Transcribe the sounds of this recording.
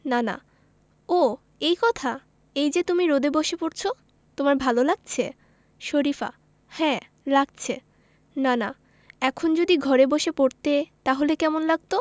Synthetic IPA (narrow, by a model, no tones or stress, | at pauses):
nana̰ | o | ejkɔt̪ʰa | ejd͡ʑet̪umiɾod̪eboʃepoɾt͡ɕʰo | t̪omaɾbʱalolaɡ̚t͡ɕʰe | ʃoɾifa̰ | hɛ̃ | laɡ̚t͡ɕʰe | nana | ɛkʰond͡ʑod̪iɡʱɔɾeboʃepoɾt̪et̪aɦolekɛmonlaɡ̚t̪o